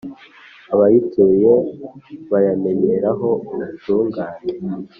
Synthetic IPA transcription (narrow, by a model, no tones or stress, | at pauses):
aβajitʰejeβajame̞ɲeɾaɦo̞nasuːŋɡaːɲe